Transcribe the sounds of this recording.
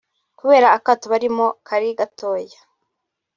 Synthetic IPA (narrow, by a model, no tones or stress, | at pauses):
kuβe̞ːɾaːkatuβaɾimo̞kʰaɾiɡato̞ːja